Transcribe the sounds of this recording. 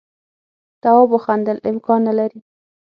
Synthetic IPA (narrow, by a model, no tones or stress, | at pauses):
t̪awɑboxand̪əlɪmkɑnːalaɾi